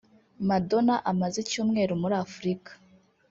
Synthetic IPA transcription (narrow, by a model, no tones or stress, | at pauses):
mado̞naʔamazecuːmŋe̞ːɾumuɾafuɾikḁ